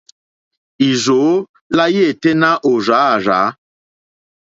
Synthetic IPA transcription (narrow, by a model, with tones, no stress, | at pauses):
i˨zo˨˦ | la˦je˦˨te˦na˦ʔo˨za˨˦a˨ɾa̰ː˨˦